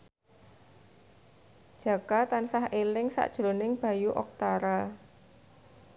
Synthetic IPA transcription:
ʒ̥a̤kat̪ansahʔelɪŋsa̰ʔd̥ʒ̥ɾonɪŋb̥a̤juʔɔ̰k̚t̪aɾa

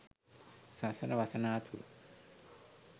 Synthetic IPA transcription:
sasɐnɐʋɐsɐnaːt̪ʰuɾ̰

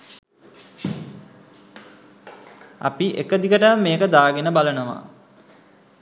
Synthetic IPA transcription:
a̰piʔḛkəd̪ikəʈəmːeːkəd̪aːɡenəbalənəʋa̰

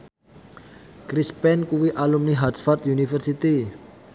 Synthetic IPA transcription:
kɾispɛnkuwiʔalumniɦadfart̪junifərsit̪i

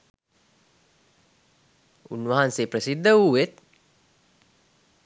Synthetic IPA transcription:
ṵnʋaɦansepɾəsid̪ːəuʋet̪̚

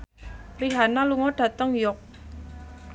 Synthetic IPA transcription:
priɦanaluŋɔɖ̥ä̤t̪əŋjɔk̚

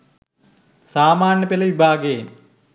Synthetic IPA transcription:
saːmaːnjəpeləʋibʱaːɡejen

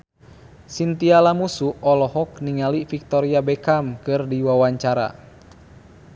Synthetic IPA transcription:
sint̪ialamusuɔlɔɦɔk̚niŋalifik̚t̪ɔɾiabɛkamkɨrdiwawaɲt͡ʃaɾa̰

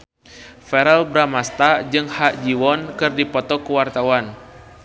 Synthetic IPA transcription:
fɛɾɛlbɾamast̪ad͡ʒɨŋhaʔd͡ʒiwɔnkɨrdipɔt̪ɔkuwart̪awan

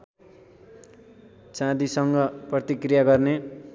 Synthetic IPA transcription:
t͡sãd̪isʌŋɡʌprʌt̪ikrijaɡʌrne

